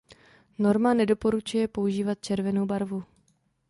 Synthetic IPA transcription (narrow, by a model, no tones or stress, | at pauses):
no̞ɾmanɛdo̞po̞ɾut͡ʃujɛpo̞uʒiːvat̪̚t͡ʃɛɾvɛnowbaɾvu